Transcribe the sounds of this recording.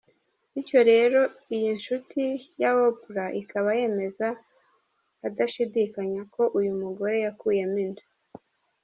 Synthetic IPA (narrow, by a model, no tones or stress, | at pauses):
ico̞ɾe̞ɾo̞ijinʃutʰijaβopuɾaʔikaβaje̞ːme̞za | daʃidiːkaɲako̞ʔujumuɡo̞ɾe̞jakuːje̞mindu